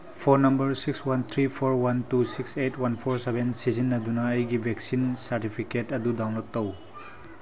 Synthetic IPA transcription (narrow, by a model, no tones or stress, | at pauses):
pʰoɾnɐmbɐɾsikswant̪ʰɾipʰoɾwantusiksetʰwanpʰoɾsebensizinːɐdunɐːjɡibʱeksinsɐɾtipʰiketɐdudawnlot̚tɐw